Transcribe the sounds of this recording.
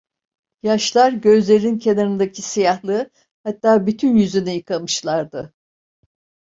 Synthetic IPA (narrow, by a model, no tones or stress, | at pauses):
jaʃlˠaɾɟø̞zlʲe̞ɾinincʰe̞naɾɯnd̪acʰisijahlˠɯ | hat̪ːaːbyt̪ʰynjyzynɛjɯkʰamɯʃlˠaɾd̪ɯ